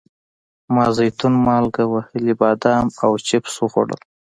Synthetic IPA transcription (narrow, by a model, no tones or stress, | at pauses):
mɑːzajt̪unmɑːlɡawahəlibɑːd̪ɑmawt͡ʃɪpsuɣo̰ɽə̰l